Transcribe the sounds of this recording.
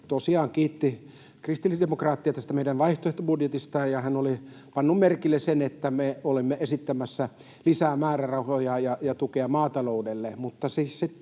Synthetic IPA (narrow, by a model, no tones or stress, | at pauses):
t̪osiɑːŋkiːt̪ːi | krist̪ilːisdemokrɑːt̪ːiɑt̪æst̪æmeiɾæʋʋɑiht̪oeht̪obudjet̪ist̪ɑjɑhænoli | pɑnːummerkilːesenet̪ːæmeolimːeesit̪ːæmæsːæ | lisæːmæːrærɑuhojɑjɑjɑt̪ukeɑmɑːt̪ɑloˑudelːemut̪ːɑsissit